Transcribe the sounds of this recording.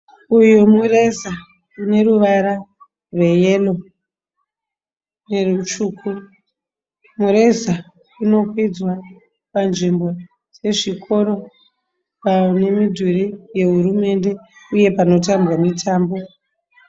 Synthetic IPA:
ujumuɾeza | kune̞ɾuʋaɾa | rwe̞je̞lo̞ | ne̞rut͡ʃuːku | muɾe̞za | kuno̞kwid͡zwa | panʐimbo̞ | d͡ze̞ʐikʰo̞ɾo̞ | pane̞midʱuɾije̞ɦuɾume̞nde̞uje̞pano̞tambwamitʰaːmbo̞

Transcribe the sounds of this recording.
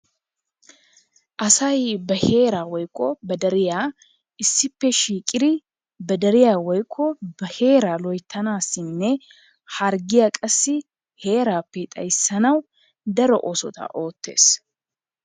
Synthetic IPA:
ʔɐsɐjbɐhe̞ːɾaːwɔjkʼːɔbɐd̪ɐɾɪjaː | ɪsːɪpːɛʃiːkʼɪd̪ɪ | bɐd̪ɐɾɪjaːwɔjkʰːɔbɐhe̞ːɾaːlɔjt̪ʰːɐnaːsːɪnːɛ | hɐɾɡɪjaːkʼɐsːɪ | he̞ːɾaːpːɛt̪ʼɐ̰jsːɐnɐw | d̪ɐɾɔʔosɔ̰t̪ɐ̰ʔo̞ːt̪ːe̞̰ːs

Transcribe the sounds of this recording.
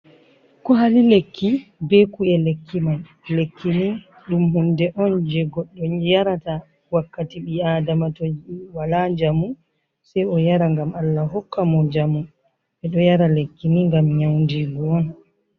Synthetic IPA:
kɔɦalilekːibɛkuɛlekʰːiman | lekʰːini | ɗumɦundɛʔɔnd͡ʒɛɡɔɗːɔjaɾata | wakːatiɓiadamatod͡ʒwalad͡ʒamu | sɛjɔjaɾaŋɡamalːaɦɔkːamɔd͡ʒamu | ɓɛɗɔjaɾalekːiniŋɡamɲawndiɡuɔn

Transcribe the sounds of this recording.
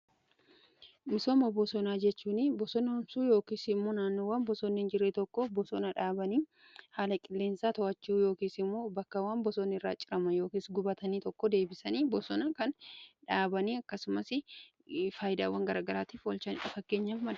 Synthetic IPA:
mɪsoːmɐbɔsɔnaːd͡ʒɛt͡ʃːuːnɪbɔsɔnɐhʊmsuːjo̞ːkiːsɪmːoːnaːnːoːwaːnbɔsonːɪnd͡ʒɪɾeːt̪ɔkːobɔsɔnɐᶑaːbɐniː | haːlɐkʼɪlːeːnsaːt̪ɔɐt͡ʃːujo̞ːkiːsɪmːo̞ːbɐkːɐwaːnbɔsonːɪɪrːa̰ːt͡ʃʼɪɾɐmɐnjo̞ːkisɡʊbɐt̪ɐniːt̪ɔkːɔd̪e̞ːbɪsɐniːbɔsɔnɐkɐnᶑaːbɐniːɐkːɐsʊmɐsɪ | faːjɪd̪aːwɐŋɡɐɾaːɡɐɾaːt̪iːfwɐlt͡ʃɐnɪᶑɐfɐkːe̞ːɲːaːfmɐ

